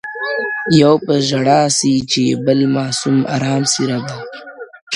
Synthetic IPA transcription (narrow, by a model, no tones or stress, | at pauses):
jawpɐsʒɐɽaːsit͡ʃebɐlmaːsuma̰ɾaːmsiɾab̪a